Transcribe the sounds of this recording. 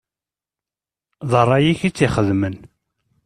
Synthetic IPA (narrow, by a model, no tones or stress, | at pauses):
ðˤərˤːɑjiçit͡sːiχəðmən